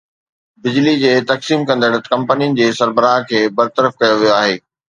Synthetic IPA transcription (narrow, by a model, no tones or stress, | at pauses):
bɪd͡ʑlid͡ʑeːt̪ɐksiːmkɐ̃nd̪əɽət̪kɐ̃mpənijənɪ̆d͡ʑeːsɐɾbəɾaːɦkʰeːbɐɾt̪əɾəfkɐjoʋijoaːɦeː